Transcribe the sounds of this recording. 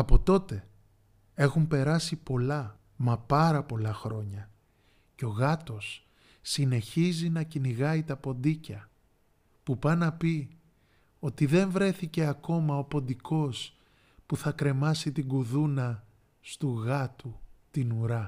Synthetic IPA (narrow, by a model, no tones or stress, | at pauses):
ɐpo̞t̪o̞t̪e̞ | e̞xumpe̞ɾɐsipo̞lɐ | mɐpɐɾɐpo̞lɐxɾo̞ɲɐ | ceo̞ɣɐt̪o̞sː | ine̞çizinɐciniɣɐit̪ɐpo̞nd̪icɐ | pupɐnɐpi | o̞t̪iðe̞ɱvɾe̞θice̞ɐko̞mɐo̞po̞nd̪iko̞s | puθɐkɾe̞mɐsit̪iɡuðunɐ | st̪uɣɐt̪ut̪inuɾɐ